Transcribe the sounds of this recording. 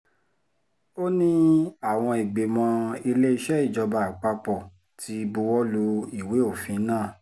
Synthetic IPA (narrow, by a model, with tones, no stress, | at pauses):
o˦nĩ˦a˦˨w̃ɔ̃˧i˨ɡ͡be˨mɔ̃˧i˧le˦i˧ʃɛ˦i˦˨d͡ʒɔ˧ba˧a˨k͡pa˧k͡pɔ˨ | ti˨˦˧bu˧wɔ˦lo˧i˨we˨˦o˦˨fĩ˨˦nãː˦˨